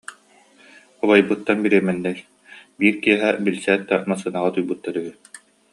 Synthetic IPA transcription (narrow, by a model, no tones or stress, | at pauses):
ɔbɔjbɯt̪ːanbiɾiɛmɛnːɛɾ | biːɾkiɛɦɛbilsɛːt̪̚d̪amasɯnaʁat̪ujbɯt̪ːaɾyɦy